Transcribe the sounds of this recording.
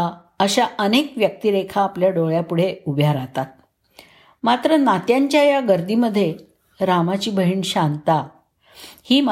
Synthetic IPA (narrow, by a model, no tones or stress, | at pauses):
a | əɕaənekʋjək̚t̪iɾekʰaːpljaɖoɭjapuɽ̤eubʱjaɾat̪at̪̚ | mat̪ɾənat̪jaɲt͡ɕjajaɡəɾd̪iməd̪ʱːje | ɾamat͡ɕiːbʱəɦiːɳɕant̪a | hiːm